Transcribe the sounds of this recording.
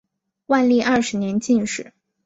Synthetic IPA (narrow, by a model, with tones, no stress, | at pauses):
wa˥˧nli˥˧ʔɐ˥˩ʂɻ̩˧˥njɛ˧˥nt͡ɕi˥˧nʂɻ̩˥˩˦